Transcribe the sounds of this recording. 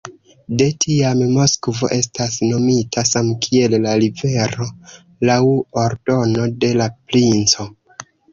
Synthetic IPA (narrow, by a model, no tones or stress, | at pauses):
de̞tʰiammo̞skvo̞̰ʔe̞s̬tasno̞mitasamkʰie̞lːaɾive̞ɾo̞ | lawoɾdo̞no̞de̞laplint͡so̞